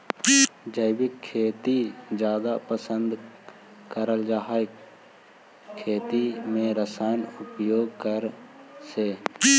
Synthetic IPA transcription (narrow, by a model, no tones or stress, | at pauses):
d͡ʒəɪbɪkʰːeːt̪id͡ʒjaːd̪apəsə̃nd̪ | kəɾəld͡ʒaɦaːj | kʰːeːt̪imẽɾəsaːnʊpjoːɡ̚kəɾseː